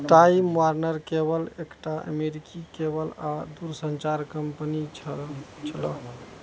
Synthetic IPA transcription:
ʈaimwaɾnəɾkebəlekʈaʔə̰meɾikʰikebəlad̪uɾsənt͡ʃaɾkəmpəni | t͡ʃʰələ

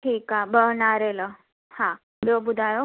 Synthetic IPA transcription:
ʈʰiːkabəɦnaɾelə | hã | bobud̪ʱajo

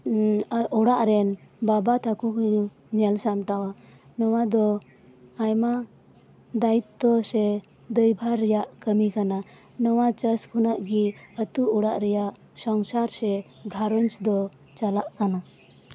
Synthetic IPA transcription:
ɔɽaʔɾɛnbabat̪ʰakuk | ɲɛlsamʈawa | nɔwad̪ɔː | jma | d̪ait̪ːɔsɛ | d̪əjbʱaɾːɛjaʔkəmikana | nɔwat͡ʃəskʰunaʔɡiət̪uʔɔɽaʔɾɛjaʔ | sɔŋsaɾsɛ | ɡʱaɾɔnsd̪ɔ | t͡ʃalaʔkana

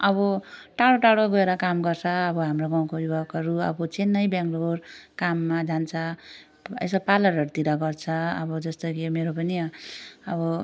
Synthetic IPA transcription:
ʌbʌʈaɽoʈaɽoɡoeɾʌkamɡʌrt͡sʰʌːbʌɦamroɡaw̃kobibʱaɡʌɾuʌ̰bʌt͡senːʌjbjaŋɡlorkamːad͡zant͡sʰʌ | ḛsʌpalʌɾʌɾut̪iɾʌɡʌrt͡sʰʌʌbʌd͡zʌst̪okimeɾopʌniʌbʌ

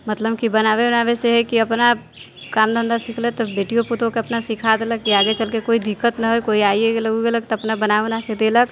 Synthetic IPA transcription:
mət̪ləbkibənaβenabeseɦɛkiəpna | kamd̪ʱənd̪asiklet̪ɔbeʈijoput̪õkeəpnasikʰad̪eləkiaɡet͡ʃəlkekoid̪ikːət̪nəɦojkoiaiekeləɡuɡelək̚t̪ɔəpnabənaunaked̪elək

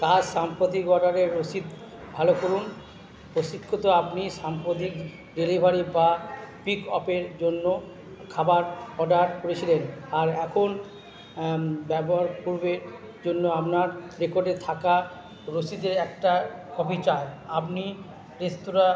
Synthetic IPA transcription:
k̪aʃampɾot̪ikɔɖaɾeɾːosid̪ | bʱalokoɾun | pɾoʃikʰːot̪oapniʃampɾot̪ik | ɖelibʱaɾibapikɔpeɾd͡ʑonːo | kʰabaɾɔɖaɾkoɾet͡ɕʰilenaɾɛkʰon | bɛboɦaɾpuɾbeɾ | d͡ʑonːoapnaɾɾekoɾɖet̪ʰaka | ɾosid̪eɾɛkʈakɔbʱit͡ɕaeapni | ɾest̪uɾa

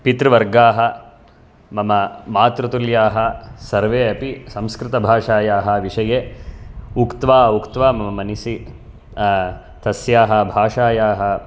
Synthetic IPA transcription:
pit̪ɾɐʋɐɾɡaːɦɐ | mɐmɐmaːt̪ɾɐt̪uljaːɦɐsɐɾʋeːɐpisɐ̃mskɾɪt̪ɐbʱaːʂaːjaːɦɐʋiʂɐjeː | ukt̪ʋaːukt̪ʋaːmɐmɐmɐnisi | t̪ɐsjaːɦɐ̆bʱaːʂaːjaːɦɐ

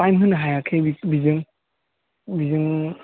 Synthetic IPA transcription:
ajmɦɯnɦajakʰebibizɯŋ | bizɯŋ

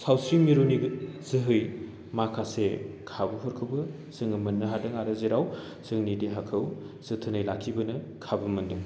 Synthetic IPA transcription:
sawsɾiŋmiɾuniɡz̥ɯɦɯj | makʰasekʰabɐhɔɾkʰɯwbɯ | z̥ɯŋɯmɐnːɐɦadɯŋaɾɐzeɾaw | z̥ɯŋnideɦakʰɯw | z̥ɯtʰɯnɯjlakʰibɐnɐ | kʰabɐmɐndɯŋ

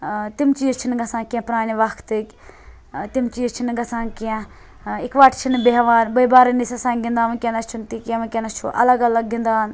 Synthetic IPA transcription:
t̪imt͡ʃiːt͡ʃʰinɡɐsãːkãpɾaːniʋɐkʰt̪ɨkʲ | t̪imt͡ʃiːt͡ʃʰinɡɐsãːŋkiã | ikʋaʈt͡ʃʰinbeɦʋaːnbɐibaːɾnisɐsãŋɡĩnd̪aːʋkʲẽnɐt͡ʃʰunt̪ikãʋɐ̃kʲenɐt͡ʃʰuʔɐ̰ləɡɐlɐɡɡĩnd̪aːn

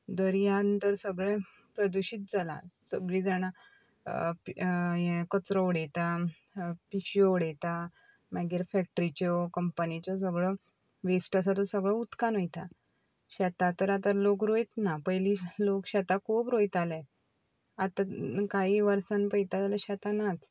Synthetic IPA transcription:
d̪əɾjaənt̪əɾsəɡɭẽ | pɾəd̪uɕiːt̪̚d͡zala̰səɡɭid͡zaɽ̃a | pekət͡sɾɔʋɽet̪a | piɕjɔʋɽet̪a | mɛɡiɾfɛk̚ʈəɾit͡ɕɔkəmpənit͡ɕɔs̬əɡɭɔ | ʋesʈasat̪ɔsəɡɭəut̪kanəjt̪a | ɕat̪at̪əɾat̪alokɾojt̪napəjliːlokɕat̪akʰuːpɾojt̪alẽ | at̪akaɦiːʋəɾsanpəjt̪ad͡zaləɕat̪anat͡s

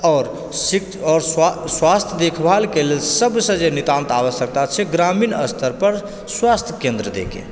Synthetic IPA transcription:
ɔɾ | sikɔːɾsswast̪ʰjəd̪ekʰbʱalkelelsəbsə̃d͡ʒenit̪ãnt̪aʋəssək̚t̪at͡ʃʰɛɡɾaminəst̪ʰəɾpəɾ | swast̪ʰjəkẽnd̪ɾəd̪ḛkḛ̃

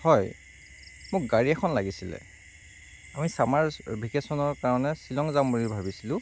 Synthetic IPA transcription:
hɔj | mʊk̚ɡaɹiɛkʰɔnlaɡisilɛ̰ | amisamaɹbʱikesɔnɔɹkaɹɔnɛsilɔŋzamuɹibʱabisilʊ̃

